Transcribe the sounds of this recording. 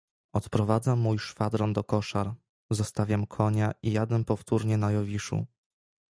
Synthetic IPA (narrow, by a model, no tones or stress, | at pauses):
ɔt̪pɾɔvad̪zamːujʂfad̪ɾɔnd̪ɔkɔʂaɾ | zɔst̪avʲjamkʰɔɲaʔijad̪ɛmpɔft̪uɾɲɛnajɔvʲiʂṵ